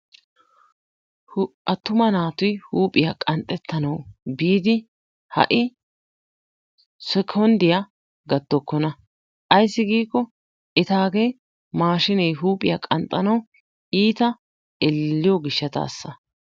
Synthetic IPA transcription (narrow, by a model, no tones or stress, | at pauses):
hʔɐt̪ːʊmɐnaːt̪ʊjhuːpʼɪjakʼɐnt̪ʼːɛt̪ːɐnɐwbiːd̪ɪ | hɐ̰ʔɪ | sɛkʰɔnd̪ɪja | ɡɐd̪ːɔkːɔnɐ | ʔɐjsːɪɡiːkːɔ | ʔɛt̪aːɡe | maːʃɪnɛjɦuːpʼɪjakʼɐnt̪ʼːɐnɐw | iːt̪ɐ | ɛlːɪjɔɡɪʃːɐt̪a̰ːsːɐ